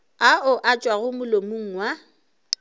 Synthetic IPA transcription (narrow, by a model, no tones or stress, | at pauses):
aʊʔat͡ʃʼwaɣʊmʊlomuŋ̩wa